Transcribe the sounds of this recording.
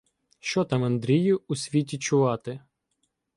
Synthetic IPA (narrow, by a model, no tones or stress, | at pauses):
ʃt͡ʃɔt̪ɑmɐnd̪ɾʲijʊusʲʋʲitʲit͡ʃʊʋɑt̪ɪ